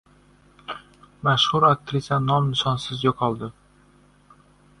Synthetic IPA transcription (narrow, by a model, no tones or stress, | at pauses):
maʃhʊɾak̚t̪ɾɪsanɒmnɪʃɒnsɪzjoqʰɒlˠd̪ɪ